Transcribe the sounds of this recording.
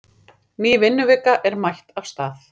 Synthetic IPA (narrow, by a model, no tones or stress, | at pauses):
niːvɪnːʏvɪːkaʔɛɾmajht̪afst̪aːθ